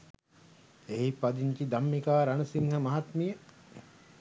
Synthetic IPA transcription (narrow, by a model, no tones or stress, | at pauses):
eɦipad̪iɲt͡ʃid̪amːikaːɾanəsiŋɦɐmɐɦat̪mijə